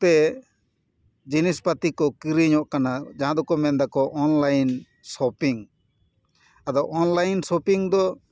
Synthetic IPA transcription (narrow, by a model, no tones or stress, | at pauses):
t̪ɛ | d͡ʒinispat̪ikɔkiɾiɲɔʔkanad͡ʒaɦãd̪ɔkɔmɛnd̪akɔʔɔnlajn | sɔpiŋ | ad̪ɔʔɔnlajnsɔpiŋd̪ɔ